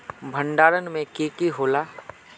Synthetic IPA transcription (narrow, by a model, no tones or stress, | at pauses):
bʱə̃ɳɖaːɾənmẽkeːkiɦoːlaː